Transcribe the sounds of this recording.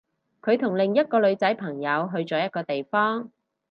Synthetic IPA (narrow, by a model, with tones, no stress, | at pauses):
kʰɵ˨˧ɥt̪ʰʊ˨˩ŋlɪ˨ŋjɐ˥t̚kɔː˧lɵ˨˧ɥt͡sɐ˨˥jpʰɐ˨˩ŋjɐ˨˧wɦɵ˧ɥt͡sɔː˨˥jɐ˥t̚kɔː˧t̪e˨jfɔː˥ŋ